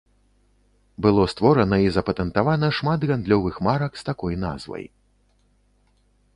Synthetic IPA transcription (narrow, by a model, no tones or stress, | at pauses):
bɨlˠɔst̪vɔɾɐnɐizɐpɐt̪ɛnt̪avanɐʂmat̪ɣand̪lʲɔvɨxmaɾɐkst̪akɔjna̰zvɐ̰j